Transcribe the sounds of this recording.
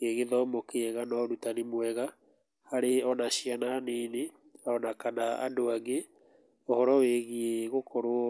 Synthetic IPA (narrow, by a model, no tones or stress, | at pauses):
keɣeðɔmokeɛɣanɔɾutanimwɛɣa | haɾeɔnaʃiananeːne | aɔnakanaa̰doaɡe | ohɔɾɔweɣieɣokʰɔɾo